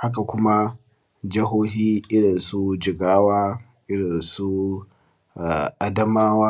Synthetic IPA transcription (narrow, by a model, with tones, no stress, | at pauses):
ha˦k̬a˨kʷʊ˦ma˦ | d͡ʒɪ˦ɦoː˦ɦiː˦ʔɪ˦ɽɪ˨nsu˦d͡ʒɪ˨ɡaː˦waː˦ | ʔɪ˦ɽɪ˨nsu˦ | a˨ʔa˦dɐ˦maː˦waː˦